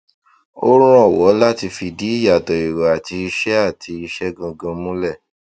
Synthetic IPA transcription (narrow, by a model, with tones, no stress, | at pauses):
o˦ɾ̃ũ˦ɔ˦˨wɔ˨˦la˦ti˧fi˧di˨˦i˦˨ja˨tɔ˨i˨ɾɔ˨a˨ti˧i˧ʃɛ˦a˦˨tʰi˧i˧ʃɛ˦ɡã˧ɡã˧mũ˦lɛ˦˨